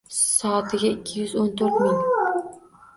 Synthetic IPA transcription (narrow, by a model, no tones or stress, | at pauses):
sɒːt̪ʰɪɡʲaɪkʲʰːɪjʏzont̪ʰɵɾt̪man